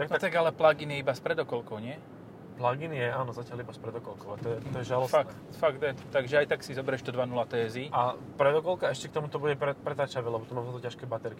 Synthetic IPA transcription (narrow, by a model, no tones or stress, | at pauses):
t̪aknat̪aɡalɛplaɡinjɛibaspɾɛd̪ɔkɔlkɔʊɲɪɛ | plaɡinjɛaːnɔzacɪalibaspɾɛd̪ɔkɔlkɔʊa̰t̪ɔjɛt̪ɔjɛʒalɔsfak̪fakt̪jɛt̪ɔt̪aɡʒɛajt̪aksizɔbɛɾɛʃt̪ɔd̪ʋanulat̪ɛːziʔa | pɾɛd̪ɔkɔlkaɛʃcɛk̚t̪ɔmut̪ɔbuɟɛpɾɛpɾɛt̪aːt͡ʃaʋɛlɛbɔt̪ɔmamzat̪ɔcaʃkɛːbat̪ɛɾki